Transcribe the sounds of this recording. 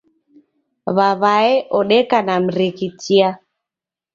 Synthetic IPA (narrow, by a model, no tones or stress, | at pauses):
βaβaɛʔɔɗɛkanam̩ɾikitia